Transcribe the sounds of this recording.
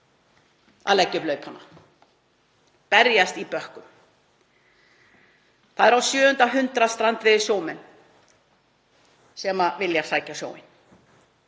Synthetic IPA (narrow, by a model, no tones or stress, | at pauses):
a̰lɛcːʏplœːɥpʰhanːa̰ | pɛɾjast̪ipœhkʏm | θaðɛɾawsjœːhʏnt̪aɦʏnt̪ɾast̪ɾant̪vɪðɪɾ̥sjoːwmɛn | sɛmavɪljḁsaːjcasjo̰ːwmɪ̰n̥